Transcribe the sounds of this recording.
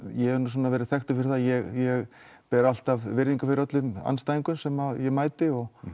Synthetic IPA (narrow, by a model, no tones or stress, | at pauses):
jɛɛɾnus̬aːnːavɛːɾɪθɛxt̪ʏfɪɾɪθajɛɣjɛɣ | pɛːɾal̥t̪avvɪɾðiŋkʏfɪɾat̪lʏma̰nst̪ajiŋkʏmsɛmaðjɛmaːjt̪ɪɔɣ